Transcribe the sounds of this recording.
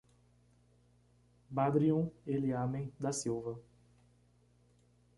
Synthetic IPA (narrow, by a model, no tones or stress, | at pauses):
bad̪ɾiõeliamẽj̃d̪ɐsiwvɐ